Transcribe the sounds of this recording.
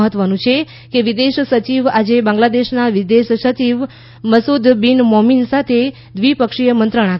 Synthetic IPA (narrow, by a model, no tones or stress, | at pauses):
ɦət̪ʋənũt͡ʃʰe | keʋid̪eʃsət͡ʃiʋad͡ʒebãŋɡlad̪eʃnaʋid̪eʃsət͡ʃiʋ | məsud̪binmominsat̪ʰe | d̪ʋipəkʂijəmənt̪ɾəɽ̃a